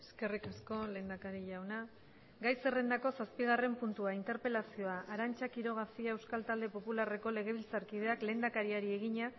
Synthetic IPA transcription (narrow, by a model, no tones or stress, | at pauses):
eske̞rikasko̞leːnd̪akaɾiʎawna | ɡajse̞re̞nd̪ako̞saspiɣ̞are̞mpunt̪uaint̪e̞ɾpe̞lasio̞aʔaɾant͡ʃakiɾo̞ɣ̞afiae̞wskalt̪ald̪e̞po̞pulare̞ko̞le̞ɣ̞e̞β̞ilt͡saɾkið̞e̞akle̞ːnd̪akaɾiaɾie̞ɣiɲa